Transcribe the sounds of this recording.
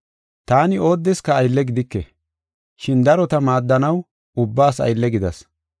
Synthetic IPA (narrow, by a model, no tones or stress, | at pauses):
t̪aːnɪo̞ːd̪ːɛskɐːjlːɛɡɪd̪ɪkːɛ | ʃɪnd̪ɐɾɔt̪ɐmaːd̪ːɐnɐw | ʊbːaːsɐ̰jlːɛɡɪd̪ɐs